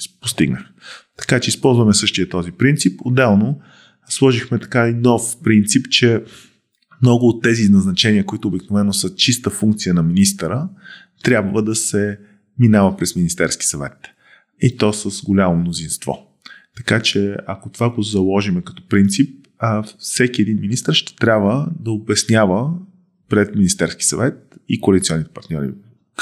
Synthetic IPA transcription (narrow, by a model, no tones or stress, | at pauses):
post̪ḭɡnəxt̪ɐ̥kat͡ʃɛispɔlˠzvɐmɛsɤʃt̪ijət̪ɔzipɾint̪sipod̪ɛlˠno | slˠɔʒixmɛt̪ɐ̥kainɔfpɾint̪sipt͡ʃɛ | mnɔɡʊːt̪ːɛziznɐznɐt͡ʃɛniəkoit̪ʊːbiknovɛnːosɤt͡ʃist̪əfuŋkt̪sijənɐminist̪əɾə | t̪ɾʲjabvəd̪ɐsɛ | minavəpɾɛsminist̪ɛɾski̥sɐvɛ̰t̪ | it̪ɔsəsɡolʲamomnozinst̪vɔ̰ | t̪ɐkat͡ʃɛɐkot̪ovaɡozɐlˠɔʒimɛkɐ̥t̪ɔ̥pɾint̪sip̚ | fsɛk̟iɛd̪inminist̪əɾʃt̪ɛ̥t̪ɾʲabvəd̪ɐobɛsnʲjavə | pɾɛt̪minist̪ɛɾski̥sɐvɛt̪̚ikoɐlit̪siɔnːit̪ɛ̥pɐɾt̪nʲɔ̰ɾḭ